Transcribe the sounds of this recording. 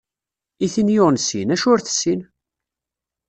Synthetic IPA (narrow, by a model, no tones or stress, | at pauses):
iθinjoʁnsinæʃʊɾθə̥sːin